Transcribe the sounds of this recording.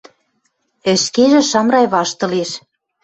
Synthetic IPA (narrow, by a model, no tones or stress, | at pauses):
ɘ̆ʃkeʒĕʃɑmɾɑjβɑʃt̪ɤ̆leʃ